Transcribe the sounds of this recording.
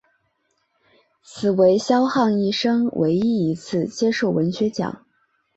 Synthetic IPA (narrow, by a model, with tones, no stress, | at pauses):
t͡sʰɹ̩˨˩we˧˥ɪɕjɑ˥ʊxɑ˥˧ŋi˥˩ʂɤ˥ŋwʔḛ˧˥ɪi˥i˧˥t͡sʰɹ̩˥˩t͡ɕjɛ˥ʂo˥˩ʊwə˧˥nɕɥɛ˧˥t͡ɕjɑ̰˨˩˦ŋ